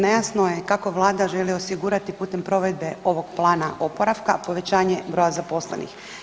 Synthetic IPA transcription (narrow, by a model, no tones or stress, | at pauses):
ne̞jasnojekako̞ʋlˠaːd̪aʒe̞liosiɡuɾat̪ipuːt̪e̞mpɾo̞ʋe̞d̪̚be̞o̞ʋo̞ɡplˠaːnaʔopoɾaʋkapo̞ʋe̞t͡ɕaːɲe̞bɾo̞jazapo̞slḛnḭx